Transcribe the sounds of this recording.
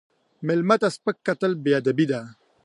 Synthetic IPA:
melmat̪aspəkːat̪əlbejad̪abid̪a

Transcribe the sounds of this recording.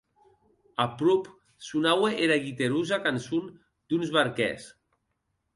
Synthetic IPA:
apɾup | sunaweʔeɾaɣit̪eɾuzakansun | d̪unzβaɾkɛ̰s

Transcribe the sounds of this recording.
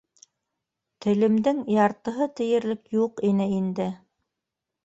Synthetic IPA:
t̪ɘ̆lɘ̆md̪ɘŋjɑɾt̪ɤ̆ɦɤt̪ɘ̆jɘ̆ɾlɘkjuqinɘind̪ɘ

